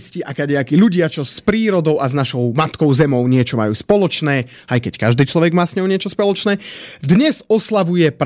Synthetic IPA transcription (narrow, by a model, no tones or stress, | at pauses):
sciʔakaɟɪakiʎuɟɪat͡ʃɔspɾiːɾɔd̪ɔʊʔaznaʃɔʊmat̪kɔʊzɛmɔʊɲɪɛt͡ʃɔma̰juːspɔlɔt͡ʃnɛː | ajkɛckaʒd̪iːt͡ʃlɔʋɛɡmaːsɲɔʊɲɪɛt͡ʃɔspɔlɔt͡ʃnɛːd̪ɲɛzɔslaʋujɛp